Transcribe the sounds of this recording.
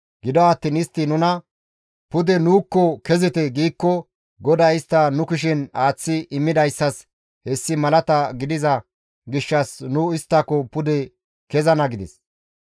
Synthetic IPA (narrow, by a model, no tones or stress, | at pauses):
ɡɪd̪ɔɐt̪ːiːnɪst̪ːɪnʊnɐ | pʊd̪ɛnuːkːɔkɛzɪt̪ɛɡiːkːɔ | ɡɔd̪ɐɪst̪ːɐnʊkɪʃ̬ɪnaːt͡sːɪʔɪmːɪd̪ɐjsːɐs | hɛsːɪmɐlɐt̪ɐɡɪd̪ɪzɐ | ɡɪʃːɐsnʊɪst̪ːɐkɔpʊd̪ɛ | kɛzɐnɐɡɪd̪ɛs